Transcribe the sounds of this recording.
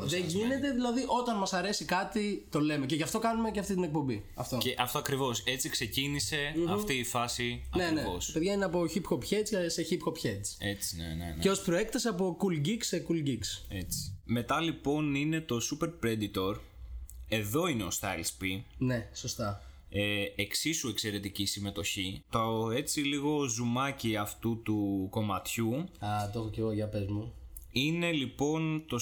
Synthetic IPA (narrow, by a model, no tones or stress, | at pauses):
ðeʝine̞t̪e̞ðilɐðiʔo̞t̪ɐnmɐsɐɾe̞sikɐt̪it̪o̞le̞me̞ceʝɐft̪o̞kɐnume̞ceɐft̪it̪inek̚po̞mbi | ɐft̪o̞eʔɐft̪oɐkɾivo̞se̞t͡sikse̞cinise̞ɐfiːfɐsiɐneneospe̞ðʝɐineɐpo̞çipxo̞pçet͡sɐseçipxo̞pçet͡set͡si̥nḛceo̞spɾo̞e̞kt̪ɐseɐpo̞kulɟiksekulɟikset͡si̥me̞t̪ɐlipo̞nine̞t̪o̞supe̞ɾpɾe̞d̪it̪o̞ɾ | e̞ðo̞ine̞ost̪ɐlspine̞so̞st̪ɐ | eeksisue̞kse̞ɾe̞t̪icisime̞t̪o̞çit̪oe̞t͡siliɣo̞zumɐciɐft̪ut̪uko̞mɐt̪çuɐt̪oxoce̞ɣoʝɐpezmuine̞lipo̞nt̪o̞